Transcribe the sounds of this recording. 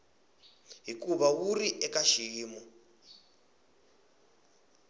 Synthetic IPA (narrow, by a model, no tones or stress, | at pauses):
ɦikuβawuriʔɛkaʃiːmɔ